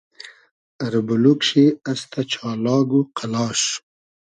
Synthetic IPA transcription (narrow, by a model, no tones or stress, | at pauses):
aɾbulukʃiast̪ʰat͡ʃʰɑːlɑːɡuqʰalɑːʃ